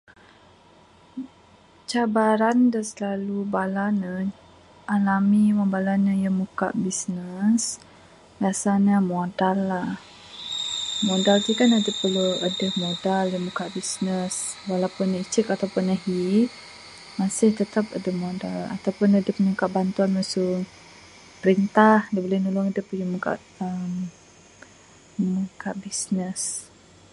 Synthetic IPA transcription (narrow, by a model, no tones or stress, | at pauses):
t͡ʃabaɾandasəlalubalanə | ʔalamiwabalaɲəjamuka̰ʔbisnəs | jasanəmodalːah | modalt̪ikanadəpəluadəhmodaljamukaʔbisnəswalawpʊnːait͡ʃəkat̪awpʊnːaɦi | masɪht̪ət̪apədəhmodala̰t̪awpʊnadəhpəɲukaʔbant̪uanmasuŋ | pəɾint̪ahdibolɪhnulʊŋadəpəjumuka̰ʔ | əm | mukaʔbisnəs